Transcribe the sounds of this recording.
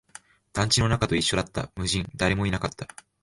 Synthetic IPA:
d̪̥ãɲ̟t͡ɕino̞nakat̪o̞iɕːo̞d̪at̪ːa̰mɯ̟ʑĩnd̪aɾe̞mo̞inakat̪ʰːa

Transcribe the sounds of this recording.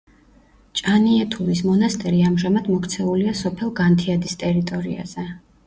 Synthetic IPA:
t͡ʃʼaniɛt̪ʰuɾismɔnast̪ʼɛɾiamʒamad̪mɔkʰt̪sʰɛuliasɔpʰɛlˠɡant̪ʰiad̪ist̪ʼɛɾit̪ʼɔɾḭa̰z̥ɛ

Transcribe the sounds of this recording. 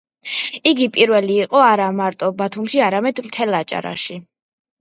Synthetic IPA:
iɡipʼiɾvɛliːqʼɔaɾamaɾt̪ʼɔbat̪ʰumʃiaɾamɛd̪mt̪ʰɛlˠat͡ʃʼa̰ɾa̰ʃi

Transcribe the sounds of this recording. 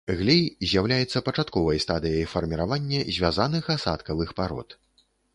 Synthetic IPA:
ɣlʲɛjzʲjawlʲajɛt̪sːɐpɐt͡ʂat̪kɔvɐjst̪ad̪ɨjɐjfɐrmʲiɾavanʲːɛzʲvʲazanɨxasa̰t̪kɐvɨxpaɾɔ̰t̪

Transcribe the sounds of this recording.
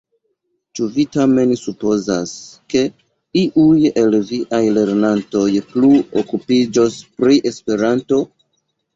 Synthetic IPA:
t͡ʃuvitame̞nsupo̞zaske̞ | iʔuje̞lviʔajle̞ɾnanto̞jpluokupid͡ʒo̞spɾiʔe̞spe̞ɾanto̞

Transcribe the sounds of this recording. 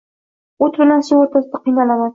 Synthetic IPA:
ot̪bɪnasɪoɾt̪ʰasɪd̪aqʰɨjnalaman

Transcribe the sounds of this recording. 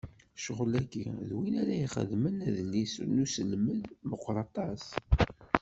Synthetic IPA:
ʃəʁlækːiðwinæɾæiχə̰ðmənæðlːisnusəlməðməqʷːɾˤɑt̪ˤɑs

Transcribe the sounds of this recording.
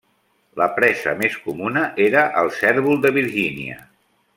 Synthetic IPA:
ləpɾɛzə̰meskumunəʔeɾəʔəlˠsɛɾβulˠd̪əβiɾʒiniə̰

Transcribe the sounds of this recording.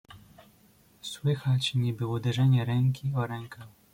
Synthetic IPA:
swɘxat͡ɕɲɛbɘwɔd̪ɛʐɛɲɛɾɛŋkʲiɔɾɛŋkax

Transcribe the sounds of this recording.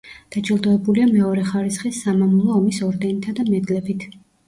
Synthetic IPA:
d̪̥ad͡ʒilˠd̪ɔɛbuliamɛɔɾɛχaɾisχisːamamulˠɔːmisɔɾd̪ɛnit̪ʰad̪amɛd̪lɛbit̪ʰ

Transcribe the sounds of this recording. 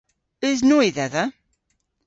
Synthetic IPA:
iznuiðæðæ

